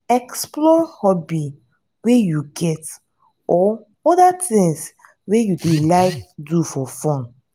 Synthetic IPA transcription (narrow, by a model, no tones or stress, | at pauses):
ɛksplɔhɔbi | wejuɡɛt | ɔ | ɔdatɪ̃ŋs | wejudelaɪkdufɔfɔ̃n